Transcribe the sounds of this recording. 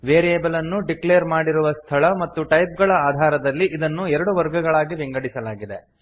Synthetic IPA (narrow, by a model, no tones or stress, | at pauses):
ʋeːɾieːbɐlɐnːuɖikleːɐɾmaːɽiɾuʋɐst̪ʰɐɭɐmɐt̪ːuʈɐjp̚ɡɐɭɐaːd̪ʱaːɾɐd̪ɐlːiʔid̪ɐnːuɛɾɐɽuʋɐɾɡɐɡɐɭaːɡiʋiŋɡɐɽisɐlaːɡid̪e̞